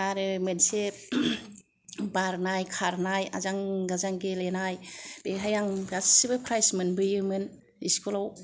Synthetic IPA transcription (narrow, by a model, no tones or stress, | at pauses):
aɾɯmɯnse | baɾnajkʰaɾnaja̰zaŋɡazaŋɡelenajb̥eɦajaŋɡasibɯpʰɾajsmɯnbɯjɯmɯn | iskulaw